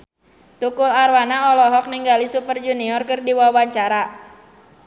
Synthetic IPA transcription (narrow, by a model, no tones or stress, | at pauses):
t̪ukʊlarwanaɔlɔɦɔk̚niŋɡalisupərd͡ʒuniɔrkɨrdiwawaɲt͡ʃaɾa